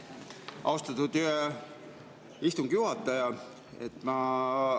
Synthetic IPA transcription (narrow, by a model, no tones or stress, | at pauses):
ʔɑwst̪ɑt̪ud̪̥ | ist̪uŋɡ̥juhɑt̪ːˑɑjɑ | e̞̰t̪ːˑmɑ